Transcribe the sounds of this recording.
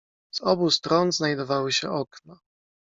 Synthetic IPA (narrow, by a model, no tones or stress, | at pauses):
z̥ɔbust̪ɾɔnznajd̪ɔvawɘɕɛ̰ʔɔkna